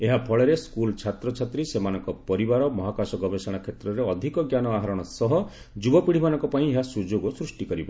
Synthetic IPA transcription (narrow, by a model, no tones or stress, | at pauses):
eɦapʰɔɭɔɾeskult͡ʃʰat̪ɾɔt͡ʃʰat̪ɾisemanɔŋkɔpɔɾibaɾɔmɔɦakasɔɡɔbesɔɽ̃akʰet̪ɾɔɾeɔd̪ʱikɔɡjanɔaɦaɾɔɽ̃ɔsɔɦɔ | d͡ʒubɔpiɽ̤ibanɔ̃ŋkɔpaĩeɦasud͡ʒoɡosɾusʈikɔɾibɔ